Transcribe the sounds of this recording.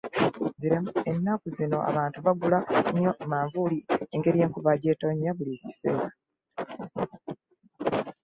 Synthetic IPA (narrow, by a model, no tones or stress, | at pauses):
ziɾemuenːakuzino̞ʔa̰βaːntuβaɡulaɲo̞maːɱvulieŋɡe̞ɾije̞ːŋkuβaɟeːto̞ɲːaβulicise̞ːɾa